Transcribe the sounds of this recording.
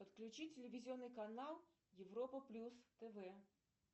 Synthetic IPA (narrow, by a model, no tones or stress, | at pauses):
pət̪klʲʉt͡ɕitʲɪlʲɪvʲɪzʲɪonːɨjkɐnalˠ | jɪvɾɔpəplʲust̪ɛvɛ